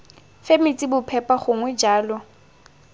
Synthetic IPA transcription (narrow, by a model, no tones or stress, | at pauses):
femit͡sʼibʊpʰɛpʼaχʊŋwɛd͡ʒaːlɔ